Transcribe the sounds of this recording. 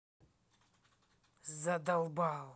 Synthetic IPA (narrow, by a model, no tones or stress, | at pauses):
zad̪awbaw